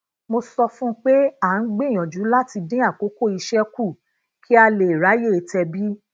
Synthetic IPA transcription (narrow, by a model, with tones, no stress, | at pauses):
mo˧sɔ˧fũ˦k͡pe˦a˦˨n̩˦ɡ͡bĩ˦˨j̃ɔ̃˨d͡ʒu˨˦la˦ti˧dĩ˦a˦˨ko˨˦ko˦˨i˧ʃɛ˦ku˦˨ | kʰi˦a˧le˨ɾa˨˦je˦˨e˧tɛ˧bi˦